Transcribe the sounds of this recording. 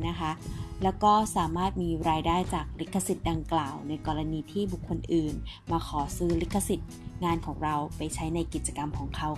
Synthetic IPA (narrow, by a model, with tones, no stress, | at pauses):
na˦˥kʰa˦˥ʔlɛː˦˥wkɔː˥˩saː˩˦maː˥˩t̪̚miː˧ɾaː˧jdaː˥˩jt͡ɕaː˨˩k̚li˦˥k̪̚kʰːa˧si˨˩t̪̚da˧ŋklaː˨˩wna˧jkɔː˧ɾa˧niː˧t̪ʰiː˥˩bu˨˩kʰːo˧nʔɯː˨˩nmaː˧kʰɔː˩˦sɯː˦˥li˦˥kʰːa˧si˨˩t̪̚ŋaː˧nkʰɔː˩˦ŋɾa˧wpa˧jt͡ɕʰa˦˥jna˧jki˨˩t̪̚t͡ɕa˧ka˧mkʰɔː˩˦ŋkʰa˦˥w